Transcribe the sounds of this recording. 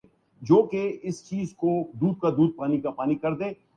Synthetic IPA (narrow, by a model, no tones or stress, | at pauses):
d͡ʒoːkeɪst͡ʃiːzkod̪uːd̪̚kad̪uːd̪̚paːnikapaːnikɐɾd̪eː